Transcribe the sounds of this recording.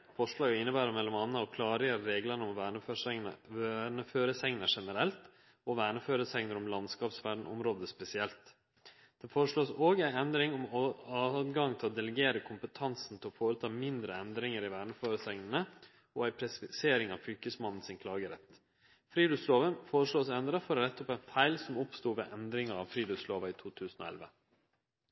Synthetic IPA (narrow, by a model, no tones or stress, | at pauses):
fɔʂɭɑːɡɪnːəbæːɾəmɛlːɔmɑnːəɑkʰlɑːɾɪjəɾəɾeːɡlənəɔmʋə | ɳəføːɾəsɛŋnəʂɛnəɾɛlt̪ | ɔʋæːɳəføːɾəsɛŋnəɾɔmlɑnskɑːpsʋæɖɳ̩ɔ̰mɾoːd̪əspɛsɪɛlt̪ | d̪̥ɛnfoːɾəʂɭoːsoːɡæɪɛnd̪ɾɪŋɔmɑːd̪ɡɑŋt̪ʰɪlɔd̪ɛləɡeːɾəkʰʊmpət̪ʰɑnsn̩t̪ʰɪlɔfoːɾət̪ʰɑːmɪnd̪ɾəɛnd̪ɾɪŋəɾɪʋæːɳəføːɾəsɛŋnən̩ə | ɔæɪpʰɾɛsɪseːɾɪŋɑʋfʏkəsmɑnn̩sɪnkʰlɑːɡəɾɛt̪ | fɾiːd̪ʉsloːʋənfoːɾəʂɭoːsɛnd̪ɾɑfɔɾnɛt̪ʰːɔpæɪnfæɪlsɔmɔpst̪uːʋḛːʔɛnd̪ɾɪŋɑɑʋfɾiːd̪ʉsloːʋɑiːt̪ʰuːt̪ʰʉːsn̩o̰ɛ̰lʋə̰